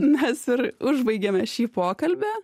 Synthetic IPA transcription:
mʲɛsɪɾʊʒbɐɪɡʲeːmʲɛʃʲiːpoːkɐlʲbʲɛ

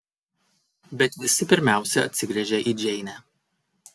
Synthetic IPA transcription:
bʲɛt̪ʋʲɪsʲɪpʲɪɾʲmʲæˑʊsʲɛɐ̰t̪ʲsʲɪɡɾʲɛʒʲɛʔid͡ʒʲɛɪnʲæ

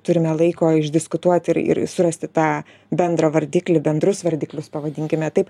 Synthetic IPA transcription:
t̪ʊɾʲɪmʲɛlˠɐɪkoːɪʒʲd̪ʲɪskʊt̪uɔt̪ʲɪɾɪ̰ɾsʊɾɐsʲt̪ʲɪt̪ɑː | bʲɛnd̪ɾɐʋɐɾʲd̪ʲiːklʲɪbʲɛnd̪ɾʊsʋɐɾʲd̪ʲiːklʲʊspɐʋɐd̪ʲɪŋʲkʲɪmʲɛt̪ɐɪp

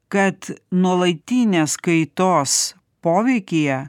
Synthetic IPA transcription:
kɐt̪nuɔlˠɐɪt̪ʲiːnʲeːskɐɪt̪oːs | poːʋʲɛɪkʲɪjɛ

